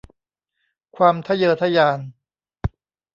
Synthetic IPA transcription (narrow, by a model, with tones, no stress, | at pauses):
kʰwaː˧mt̪ʰa˥˩jɤː˧t̪ʰa˦˥˩jaː˧n